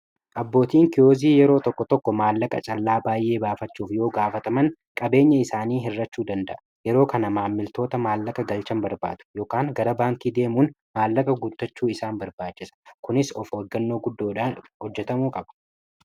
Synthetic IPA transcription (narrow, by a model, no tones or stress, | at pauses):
ʔɐbːo̞ːt̪iːŋkɪjoːziːjɛɾo̞ːt̪ɔkːɔt̪ɔkːɔmaːlːɐkʼɐ̰t͡ʃʼɐlːaːbaːjʔe̞ːbaːfɐt͡ʃːuːfjo̞ːɡaːfɐt̪ɐmɐŋkʼɐbe̞ːɲːɐɪsaːniːɦɪrːɐt͡ʃːuːd̪ɐnd̪ɐ̰ʔɐ | jɛɾo̞ːkɐnɐmaːmːɪlt̪o̞ːt̪ɐmaːlːɐkʼɐɡɐlt͡ʃɐmbɐɾba̰ːd̪̥ʊ̥jo̞ːkaːŋɡɐɾɐbaːŋk̪iːd̪e̞ːmuːn | maːlːɐkʼɐɡʊt̪ːɐt͡ʃːuːɪsaːmbɐɾbaːt͡ʃːɪsɐ̥kʊnɪsɔfoɡːɐnːo̞ːɡʊd̪ːoːᶑahɔd͡ʒːɛt̪ɐmuːkʼɐbɐ̥